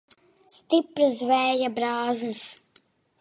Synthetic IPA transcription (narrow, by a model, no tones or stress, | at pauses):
st̪ipɾɨzvɛːjabɾaːzmɨs